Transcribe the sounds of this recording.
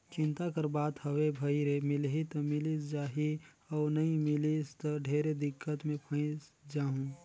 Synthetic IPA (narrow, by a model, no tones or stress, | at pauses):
t͡ʃɪ̃nt̪akəɾbaːt̪həwebʱəiɾemɪlɦit̪ɔmɪlisd͡ʒaːɦi | ɔːnɐɦĩmɪlist̪ɔɖʱeːɾed̪ɪkːət̪mẽpʰə̃ɪ̃sd͡ʒaːɦũ